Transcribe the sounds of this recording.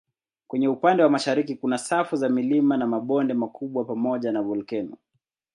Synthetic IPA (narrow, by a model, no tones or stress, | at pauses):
kwɛɲɛupandɛwamaʃaɾikikunasafuzamilimanamaɓɔndɛmakʰuɓwapamɔʄanavɔlkɛnu